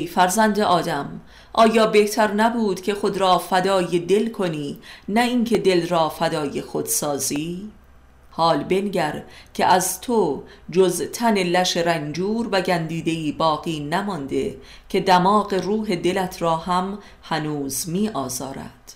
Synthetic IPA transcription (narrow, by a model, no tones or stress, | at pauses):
ejfæɾzænd̪eʔɒːd̪æm | ʔɒːjɒːbe̞ht̪ʰæɾnæbuːd̪̥kʲʰe̞xod̪ɾɒːfæd̪ɒːjed̪e̞lkʰo̞niːnæinkʰe̞d̪e̞lrɒːfæd̪ɒːje̞xod̪̥sɒːziː | hɒːlbe̞nɟæɾcʰeʔæzt̪ʰo | d͡ʒozt̪ʰæne̞læʃeɾænd͡ʒuːɾvæɟænd̪iːd̪e̞iːbɒːɣiːnæmɒnd̪e̞̰ | cʲʰe̞d̪æmɒːɣe̞ruːɦe̞d̪e̞læt̪ʰɾɒːhæm | hænuːzmiːʔɒːzɒːɾæ̰d̪̥